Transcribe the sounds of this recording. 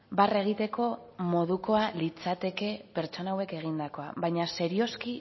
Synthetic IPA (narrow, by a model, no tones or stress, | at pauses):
bare̞ɣ̞it̪e̞ko̞ | mo̞ð̞uko̞alit͡sat̪e̞ke̞pe̞ɾt͡ʃo̞nawe̞ke̞ɣ̞ind̪ako̞aβaɲase̞ɾio̞ski